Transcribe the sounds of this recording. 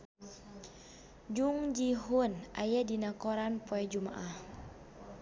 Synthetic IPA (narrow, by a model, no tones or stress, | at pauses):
d͡ʒuŋd͡ʒiɦunajadinakɔɾanpɔɛd͡ʒuma̰ʔah